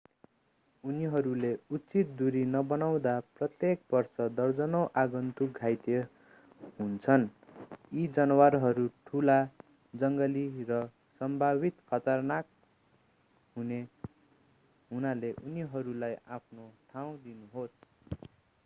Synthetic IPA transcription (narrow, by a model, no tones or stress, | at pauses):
uniɦʌɾuleutːt͡sit̪̚d̪uɾinʌbʌnaw̃d̪aprʌt̪jek̚bʌrsʌd̪ʌrd͡zʌnʌwʔaɡʌnt̪uɡʱajt̪e | ɦunt͡sʰʌn | id͡zʌnʌwarɦʌɾuʈʰula | d͡zʌŋɡʌlirʌ | sʌmbʱaβit̪kʰʌt̪ʌrnak̚ | ɦune | ɦunaleʔuniɦʌɾulajapʰnoʈʰaw̃d̪inuɦos